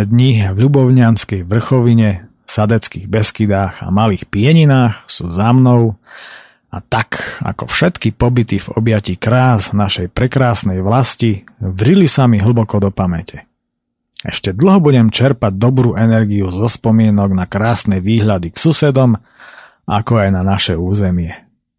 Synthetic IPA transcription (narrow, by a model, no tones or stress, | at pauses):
ɛd̪ɲivʎubɔʊɲɪanskɛjʋr̩xɔʋiɲɛ | sad̪ɛt͡skiːɣbɛskid̪aːɣa̰maliːxpɪɛɲinaːxsuːzamnɔʊ | a̰t̪aka̰kɔfʃɛt̪kipɔbit̪ivɔ̰bjacikɾaːznaʃɛjpɾɛkɾaːsnɛjʋlasci | vrilisamiɦl̩bɔkɔd̪ɔpamɛcɛ | ɛ̰ʃcɛd̪l̩ˠɦɔbuɟɛmt͡ʃɛɾpaɟ̚d̪ɔbɾuːʔɛnɛɾɡiuzɔspɔmɪɛnɔɡnakɾaːsnɛʋiːɦʎad̪iksusɛd̪ɔm | ʔa̰kɔajnanaʃɛuːzɛmɪɛ